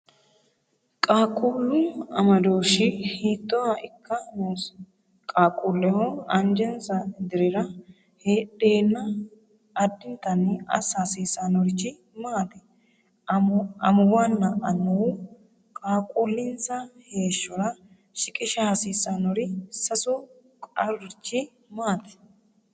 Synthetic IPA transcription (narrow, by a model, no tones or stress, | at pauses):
kʼaːkʼuːlːʊɐmɐd̪oːʃɪhiːt̪ʼːɔwaʔɪkʰːɐmoːs | kʼaːkʼuːlːɛhɔɐnd͡ʒɛnsɐd̪ɪɾɪɾɐ | heːᶑe̞ːnːɐ | ɐd̪ːɪnt̪ɐnːɪɐ̰sasiːsanɔɾɪt͡ʃːɪ | maːt̪ɛ̥ | ɐmʊwaːnːɐʔɐnːʊwʊ | kʼaːkʼulːɪnsɐhe̞ːʃːɔɾɐ | ʃɪkʼɪʃɐhɐsiːsanɔɾɪsɐsɔ | kʼɐ̰ɾɾɪt͡ʃːɪ | maːt̪ɛ̥